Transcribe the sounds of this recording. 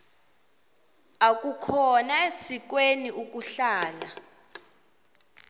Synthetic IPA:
ak̬ʼukʰɔnaesik̬weniʔuk̬ʼuɬaːla

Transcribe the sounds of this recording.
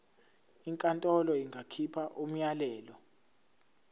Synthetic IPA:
iŋkʼantʼɔlɔiŋɡʱakʰipʰaʔum̩jalɛːlɔ

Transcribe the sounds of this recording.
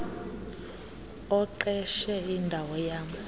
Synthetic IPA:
ɔǃɛʃɛindʱawɔjaːmu

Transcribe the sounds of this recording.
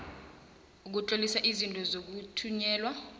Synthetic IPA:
uk̬ut͡ɬʼolisaʔizintʼɔzok̬utʰuɲɛːlwa

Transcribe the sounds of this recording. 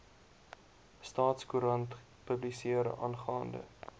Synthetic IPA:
stɑːtskuɾɐnt | pəblisiəɾə̰ʔɑ̰nχɑːndə̰

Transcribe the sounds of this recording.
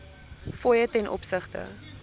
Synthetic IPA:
fɔjətɛnʔɔ̰psəχtə̰

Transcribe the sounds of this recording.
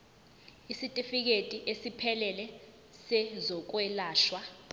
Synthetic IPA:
isitʼifik̬etʼiʔesipʰɛlɛlɛ | sɛzɔk̬wɛlaːʃwa

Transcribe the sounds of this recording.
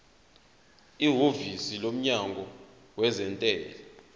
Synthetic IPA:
iɦovisilom̩ɲaŋɡʱɔ | wɛzɛntʼɛːlɛ

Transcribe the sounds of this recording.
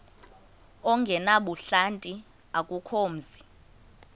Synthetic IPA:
ɔŋɡʱɛnaɓuɬantʼi | akʼukʰoːm̩zi

